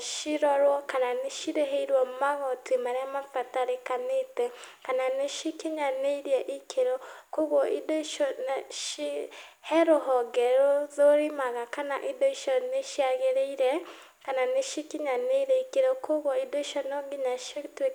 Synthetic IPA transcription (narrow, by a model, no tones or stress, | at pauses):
ʃiɾɔɾwɔkananeʃiɾeɦeiɾwɔmaɣɔtʰimaɾeamafataɾekanetɛkananeʃikiɲaneiɾiɛʔikʰeɾokoɣwɔʔidoʃɔnʃi | hɛɾoɦɔɡɛɾozoɾimaɣakana̰ʔidoiʃɔneʃiaɣeɾeiɾɛ | kananeʃikiɲaneiɾɛikeɾokoɣwɔidoiʃɔnoŋɡiɲaʃotwe